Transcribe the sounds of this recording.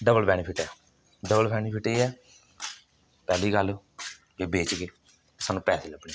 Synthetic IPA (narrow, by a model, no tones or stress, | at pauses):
ɖəbəlpɛːɽ̃iːpʰɪʈɛː | ɖəbəlpɛːɽ̃iːpʰɪʈeːɛː | pɛːliːɡəl | ʋeːbeːt͡ʃɡeː | saːnũːpɛːseːləbɳiː